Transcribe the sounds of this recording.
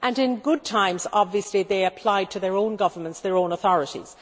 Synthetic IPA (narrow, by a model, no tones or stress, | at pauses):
ʔɨ̃nɪ̃nɡʊd̚tʰãɪ̃mzɑbviɨsliðeɪɨpʰl̥aɪd̚tʰɨðə˞õʊ̃nɡʌvə˞mə̃ntsðə˞õʊ̃nəθɔɹɨɾḭz̥